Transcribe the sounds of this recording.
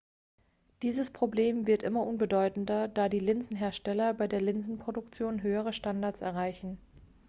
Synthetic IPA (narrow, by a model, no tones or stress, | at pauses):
d̥iːzəspʁ̥obleːmvɪɐtʔɪmɐʔʊnbədɔʏtn̩dɐdaːdiːlɪnzn̩ɦeːɐʃtɛlɐbaɪdeːɐlɪnzn̩pʁ̥odʊkt͡sjoːnɦøːəʁ̞əʃtandaɐtsɛ̰ɐʁaɪçn̩